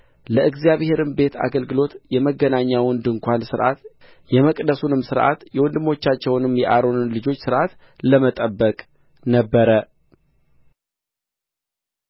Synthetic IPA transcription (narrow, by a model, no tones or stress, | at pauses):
ləɨɡzijaβhe̞ɾɨmbe̞t̪ʰa̰ɡəlɡɨlo̞t̪jɛməɡːənaɲːawɔnd̪ɨŋkʷansɨɾʔa̰t̪ | jɛməkʼd̪əsunɨmsɨɾʔa̰t̪jɛwɔnd̪ɨmːo̞t͡ʃːat͡ʃːɛwnɨmjɛʔaɾo̞nɨnlɨd͡ʒo̞t͡ʃːsɨɾʔat̪ | ləmət̪ʼəbːəkʼ | nəbːəɾə